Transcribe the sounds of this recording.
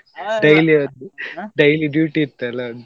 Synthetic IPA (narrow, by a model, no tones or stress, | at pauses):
ɖɐjliɐnd̪uɖɐjliɖjuːʈit̪ːɐlɐ